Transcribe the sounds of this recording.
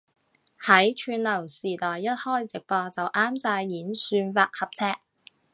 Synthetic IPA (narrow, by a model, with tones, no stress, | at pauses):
hɐ˨˥jt͡ʃʰyː˧nlɐ˨˩wsiː˨˩t̪ɔː˨˩jːɐ˥t̚hɔː˥˩jt͡sɪ˨k̚pɔː˧t͡sɐ˨wʔaː˥msaː˧jːiː˨˥nsyː˧nfaː˧t̚hɐ˨p̚t͡sʰɛː˥k̚